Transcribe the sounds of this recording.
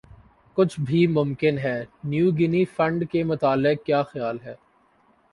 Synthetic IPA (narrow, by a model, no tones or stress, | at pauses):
kʊt͡ʃʰbʱimʊ̃mkɪnɦɛːnjuːɡɪnifɐ̃ɳɖkemʊt̪aːlɪq̚kjaːxjaːlɦɛː